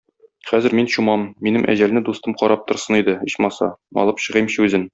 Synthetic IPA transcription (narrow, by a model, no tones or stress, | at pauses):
χæzɘ̆ɾminɕumɑmːinɘmʔæ̰ʑælnɘd̪ust̪ɤmqɒɾʔɑp̚t̪ŏɾsɤnid̪ɘɤ̆ɕmɑsɑ̰mɒ̰lˠɤpɕɤ̆ʁɤjmɕɤʉzɘn